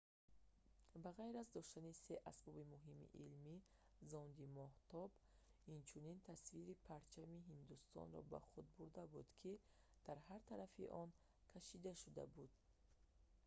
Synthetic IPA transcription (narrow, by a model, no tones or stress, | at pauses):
baʁajɾazd̪ɔʃt̪anise̞ʔasbɔbimuɦimḭʔilmi | zɔnd̪imɔht̪ʰɔb | int͡ʃʰunint̪ʰasviɾipʰaɾt͡ʃʰamiɦind̪ust̪ɔ̰nɾɔ̰ba̰χud̪̚buɾd̪abud̪kʰi | d̪̥aɾhaɾt̪ʰaɾafḭʔɔn | kʰaʃid̪aʃud̪a̰bud̪̥̚